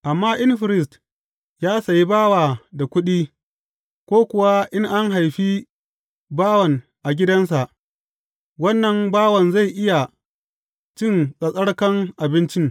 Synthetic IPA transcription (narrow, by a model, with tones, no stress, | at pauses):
ʔa˨mːaː˦ʔɪ˦nɸɪ˨ɾɪ˨s̬t | jaː˦sa˨ji˦baː˦waː˨da˨kʷʊ˦ɗiː˦ | kʷoː˦kʷʊ˨wa˦ʔɪ˦ŋʔa˦ŋɦa˨jɸi˦ | baː˦wɐ˨ŋ | ʔa˨ɡʲɪ˦dɐ˦nsa˨ʔ | wɐ˦nːɐ˨mbaː˦wɐ˨nza˦˨jʔɪ˦ja˨ | t͡ʃɪ˦˨nsʼɐ˨sʼɐ˦ɽkɐ˦ŋʔa˨bɪ˦nt͡ʃɪ˦ŋ